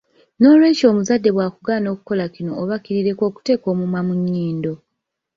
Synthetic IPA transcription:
no̞ːlwe̞ːco̞ːmuzadːe̞βwaːkuɡaːno̞ːku̥ko̞lakinoʔːβakiɾiɾe̞ko̞ːku̥te̞ːko̞ːmumwamuɲːiːndo̞

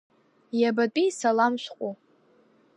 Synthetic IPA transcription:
jabat͡pʼijsalamʃʷqʷʼo

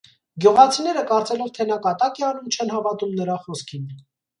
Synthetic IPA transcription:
ɡjuʁɑt͡sʰinɛɾəkɑɾt͡sɛlɔvt̪ʰɛnɑkɑt̪ɑkɛɑnumt͡ʃʰɛnɦɑvɑt̪umnəɾɑχɔskʰin

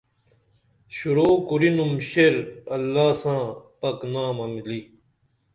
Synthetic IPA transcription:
ɕuɾoːkuɾinumɕeɾɐlːaːsãːpɐknaːmɐmili

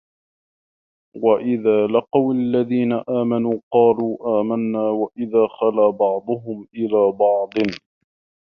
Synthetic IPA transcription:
waʔɪðaːlɪqɑwalːaðiːnaʔaːmanuːqɑːluːʔaːmanːaːwaʔɪðaːxalaːbɑʕd̪ˤʊɦʊmʔɪlaːbɑʕd̪ˤɨn

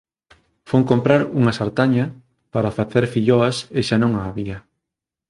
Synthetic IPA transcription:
foŋkompɾaɾuŋɐsaɾt̪aɲɐ | paɾafaθeɾfiʎoɐseʃanõŋaːβiɐ

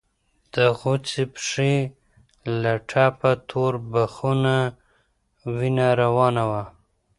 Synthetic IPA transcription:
d̪̥əɣʊt͡sipʂi | laʈʰapat̪ʰoɾbaxuna | winaɾawɑnawa

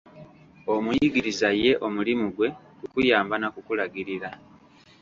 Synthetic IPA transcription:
o̞mujiɡiɾizaje̞ʔo̞mulimuɡwe̞ | kukujaːmbanakukulaɡiɾiɾa

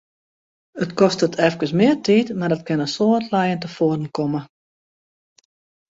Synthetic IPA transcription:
ətkɔstətʰɛfkəsmɪərtʰiːtmadɔt̚kɪnəsoːətlɛjəntəfoərdən̩kʰomə

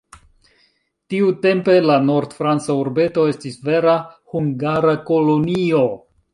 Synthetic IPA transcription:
tiute̞mpe̞lano̞ɾdfɾant͡sauɾbe̞to̞e̞stisve̞ɾahuŋɡaɾako̞lo̞nio̞

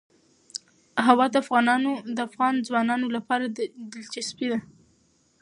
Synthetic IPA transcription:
ɦawɑd̪əafɣɑnɑnod̪əafɣɑnd͡zwɑnɑnolapɑɾad̪d̪ɪlt͡ʃaspid̪a

